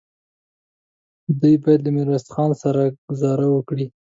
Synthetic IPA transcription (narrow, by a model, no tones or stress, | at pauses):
d̪ujbɑjad̪lamɪɾwast̪xɑnsaɾaɡ̥ʊzɑɾawəkɽi